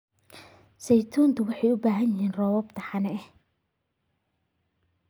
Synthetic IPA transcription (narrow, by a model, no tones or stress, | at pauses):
sɛjt̪ʰuːnt̪ʊwɑħɑjʊbaːɦɐjɪɦiːnrɔːwɔbt̪ʰɐħɑnɛʔɛh